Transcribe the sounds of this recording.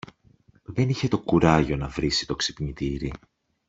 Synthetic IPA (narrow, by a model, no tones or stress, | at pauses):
ðe̞niçe̞t̪o̞kuɾɐʝo̞nɐvɾisi̥t̪o̞ksipɲit̪iɾi